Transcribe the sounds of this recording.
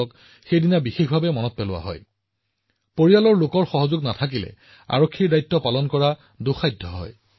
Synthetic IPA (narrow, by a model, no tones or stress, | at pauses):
ɔk | xejdinabixexbʱabɛmɔnɔt̚pɛlʊwa̰ɦɔ̰j | poɹijalɔɹlokɔɹxɔɦɔzʊɡnatʰak̬ilɛ̰ | a̰ɹokʰːiɹdajtːɔpalɔnkɔɹa | doxajdʱːɔɦɔ̰j